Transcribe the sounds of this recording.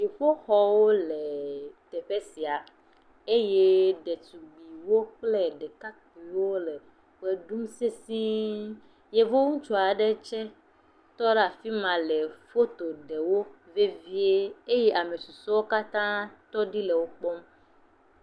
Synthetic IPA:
ʃi˨ɸo˦xɔ˦wo˦le˨t̪ɛ˨ɸe˦si˨a˨ | e˦je˦ɖe˨t̪u˨ɡ͡bi˨wo˦k͡ple˦ɖɛ˨ka˦k͡pi˨wo˦le˨ | ɸe˦ɖu˦mse˦sĩ˦ | je˦vo˦ŋũ˦t͡ʃɔ˨a˨ɖe˦t͡ʃɛ˦ | t̪ɔ˦ɖa˨fi˦mã˨le˨fo˦t̪o˨ɖe˨wo˦ | ve˦vi˦e˦e˦jɛ˦ʔa˨me˨su˨sɔ˦wo˦ka˦t̪ã˦t̪ɔ˦ɖi˦le˨wo˦k͡pɔ˦m

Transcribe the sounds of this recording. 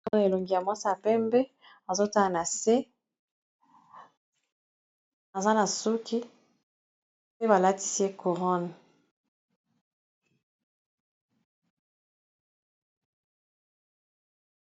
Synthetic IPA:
to˦n˨e˨lo˨ŋɡi˨ja˨mwa˦sa˨pɛ˦mbe˦ | a˨zo˦ta˦la˨na˨se˦ | a˨za˦na˨su˦ki˦ | pe˦ba˨la˦ti̥˦si˦e˦ku˨ʁɔ˦n

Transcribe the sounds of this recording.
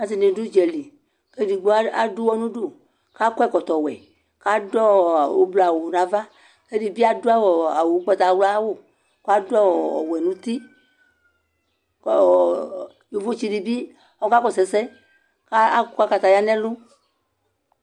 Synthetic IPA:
a˨s̬i˨nẽ˨du˦d͡ʒɛ˨li˨ | ke˦di˨ɡ͡bo˦a˦a˨du˦wɔ˦nũ˦ɖo˦˨ | ka˦kɔ˦ɛ˦˨kɔ˨t̪ɔ˨wɛ̰˨ | ka˦dɔ˦˨wo̰˦bla˨wo˨nã˨va˦ | ke˦di˨bi˦a˦do˦a˦wɔ˨a˨wo˨˦k͡pɔ˦t̪a˨˦wla˦wo˦˨ | ko˦a˦do˦a˦wɔ˨ɔ̰˨wɛ˨nũ˦t̪i˦˨ | jo˨vo˦t͡ʃi˦di˨bi˦ | ɔ˦ka˦kɔ˨sɛ˨sɛ˦ | ka˦˨ka˦ka˧t̪a˨ja˦nɛ̃˦lu˦

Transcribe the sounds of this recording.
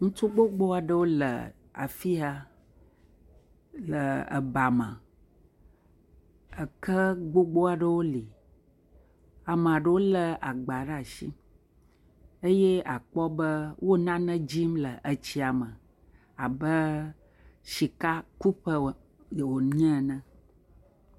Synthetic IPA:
ŋũ˦t͡ʃo˦ɡ͡bo˦ɡ͡bo˦a˨ɖə˦wo˦lə̰˨ | a̰˨fi˦a˨ | lə˨ə̰˨ba˨mə̰̃˨ | ə˨kə˦ɡ͡bo˦ɡ͡bo˦a˨ɖə˦wo˦li˨ | a˨mə̃˨a˨ɖə˦wo˦lə˨a˨ɡ͡ba˨ɖə˦a˨ʃḭ˦ | ə˦je˦a˨k͡pɔ˦bə˦wʔo˦nã˦nə̃˦d͡ʑi˦mlə˨ʔə˨t͡ɕi˦a˨mə̃˨ | a˨bə˦ | ʃi˨ka˦ku˦pə˦˨ | wo˨ɲ˦ɛ̃˦˨nə̃˨

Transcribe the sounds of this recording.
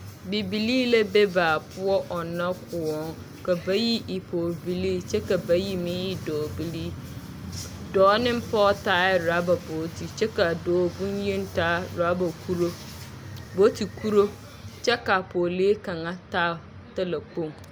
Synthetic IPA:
bi˨bi˨liː˦lɛ˦be˦baː˨pʰʊ˦ɔ˦ʔɔ˨nã˦kʰʊ˨wɔ̃˦ŋ | ka˨ba˦ji˦ʔɪ˨pʰo˨bi˨liː˦t͡ʃʰɛ˦ka˨ba˦ji˦mɪ̃˦ɪ˦dɔː˨bi˨li˦ | dɔː˨˦nɪ̃˦m̩˦pʰɔː˦taː˦ɾa˨˦ba˨bo˨˦tʰi˨t͡ʃʰɛ˦ka˨dɔː˨bũ˦n˦jĩ˦n̩˦ta˦ɾa˦ba˨kʰu˦ɾo˦ | bo˦tʰi˨kʰu˦ɾo˦ | t͡ʃɛ˦ka˨pʰo˨le˦kã˨ŋã˦ta˦˨ | ta˦la˨k͡põ˦˨ŋ

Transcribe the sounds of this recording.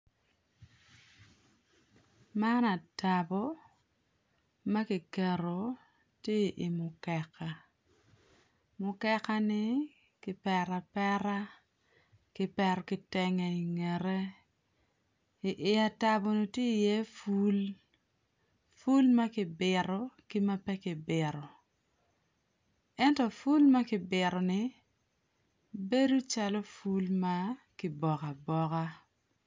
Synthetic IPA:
ma˦na˨ta˨bɔ˦ | ma˦kɪ˨kɛ˨ɾo˨ | tje˦ʔi˨mʊ˨kɛ˨ka˨ | mʊ˨kɛ˦ka˦nɪ˦ | kɪ˦pɛ˨ɾa˨pɛ˦ɾa˦ | kɪ˦pɛ˨ɾɔ˨kɪ˨tɛ˨ŋɛ˨i˨ŋɛ˨ɾɛ˦˨ | ʔɪ˨a˨ta˦bo˨˦no˦tje˦˨jɛ˦fu˦l | fu˦lma˦kɪ˨bɪ˨ɾɔ˦kɪ˦ma˦pɛ˦kɪ˨bɪ˨ɾɔ˨ | ɛ˦ntɔ˨fu˦lma˦kɪ˨bɪ˨ɾɔ˨nɪ˨ | be˦du˦t͡ʃa˦lɔ˦fu˦lma˦kɪ˨bɔ˨ka˨bɔ˨ka˦

